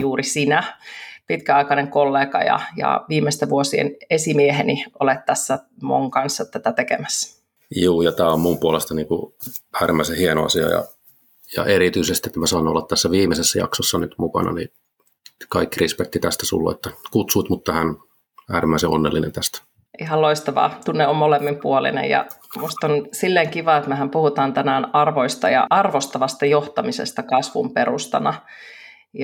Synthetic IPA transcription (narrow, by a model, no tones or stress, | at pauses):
juːrisinæpit̪kæɑikɑneŋkolːeːkɑjɑ̰jɑ̰ʋiːmest̪æʋuosiḛnesimieheniʔolet̪tːæsːæmo̰ŋkɑnsːɑt̪æt̪æt̪ekḛmæsːæ̥ | juːjɑt̪æːommumpuolest̪ɑniːŋkuæːɾimːæisehienoɑ̰siɑ̰jɑ̰ | jɑ̰ʔeɾit̪yisest̪iet̪ːmæsɑinolːɑt̪t̪æsːæʋiːmesesːæjɑ̰ksosːɑnyt̪mukɑ̰nɑ̰nḭ | kɑikːirispæt̪ːit̪æst̪æsṵlːo̰ḛt̪ːɑkut̪suit̪mut̪ːɑhæn | æːɾimːæˑiseonːḛlːinḛnt̪æst̪æ̥ | ʔiɦɑlloist̪ɑʋɑ̰ːt̪unːeommolemːimpuolḭnḛjɑ̰must̪onsilːeːŋkiʋɑːet̪mæɦæmpuhut̪ɑːnt̪ænæːnɑrʋoist̪ɑ̰jɑ̰ɑrʋost̪ɑʋɑst̪ɑjoht̪ɑmisḛst̪ɑkɑsʋṵmperust̪ɑ̰nɑ | j